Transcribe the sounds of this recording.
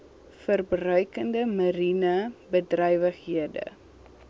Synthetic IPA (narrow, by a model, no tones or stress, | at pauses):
fərbrœɥkəndəmɐɾinəbədrœjvəχɦiədə̰